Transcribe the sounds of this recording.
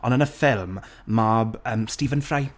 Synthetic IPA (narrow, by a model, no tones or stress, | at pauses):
ɔnənəfɪlˠmː | abəːmstiːvənfraj